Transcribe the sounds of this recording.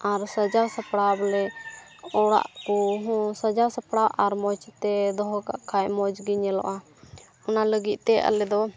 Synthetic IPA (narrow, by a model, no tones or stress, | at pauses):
aɾsəd͡ʒasəpɽablɛ | ɔɽa̰ʔkɔɦɔ̃sad͡ʒasəpɽaʔaɾmɔt͡ʃt̪ɛd̪ɔɦɔka̰ʔkʰajmɔd͡ʒɡiɲɛlɔ̰ʔa | ɔnaləɡit̪̚ˀt̪ɛʔa̰lɛd̪ɔ